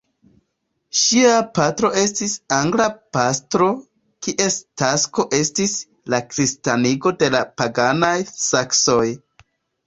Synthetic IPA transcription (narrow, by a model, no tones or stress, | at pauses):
ʃiapatɾo̞e̞s̬tisaŋɡlapastɾo̞ | kiʔe̞stasko̞ʔe̞stis | lakɾistaniɡo̞de̞lapaɡanajsakso̞j